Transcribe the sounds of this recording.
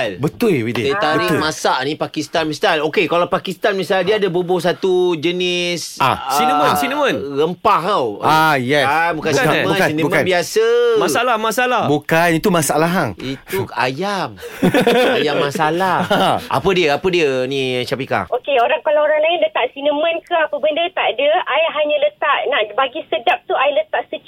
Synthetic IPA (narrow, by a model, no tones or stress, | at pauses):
lbət̪ulwidsət̪aɾimãsaʔnĩpakist̪anmĩst̪anokekalapakist̪anmĩsaldiəadəbəbʊs̬at̪ud͡ʒənɪsa̰sinəwənsinəwənnɣəmpaɦawajɛnbukansimə̃sinimənbiasəmaalahmasalahbukanit̪umasaalaɦaŋitua̰jam | ajamːãsalahʔa̰pədiəapədiənĩt͡ʃapika̰hʔokeoɾaŋkalaoɾaŋlaɪnlət̪aʔsinəmə̃nkəapəbəndət̪aʔadəajɦaɲə̃lət̪aʔnaʔbaɡisədap̚t̪uajlət̪aʔsət͡ʃ